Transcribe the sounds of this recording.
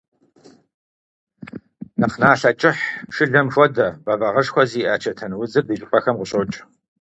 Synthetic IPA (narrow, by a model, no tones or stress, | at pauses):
nɐχnaːɬɐt͡ʃʼɪħʂɨɮɐmʂʷʼɔdɐbɐvɐʁɐʂxʷɔziːʔaːt͡ʃʰɐtʰɐnwʊzɨrdɨʒʼɪpʷɐxɐmʁʊɕʼot͡ʃʼ